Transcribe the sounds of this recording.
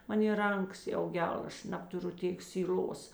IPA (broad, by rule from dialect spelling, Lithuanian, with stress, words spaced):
ˈmɑːnʲeː ˈrɐŋˌkɐs jɛʊ ˈɡʲɛlˠ ˈɐʃ ˈnɑːptʊˌrʊ ˈtʲeːk sʲiːˈlʲoːs